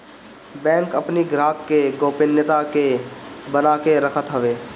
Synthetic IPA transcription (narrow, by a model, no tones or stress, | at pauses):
bɛ̃ːŋkəpniɡɾaːkkeɡoːpɪnjət̪akebənaːkeɾəkʰət̪ɦəʋeː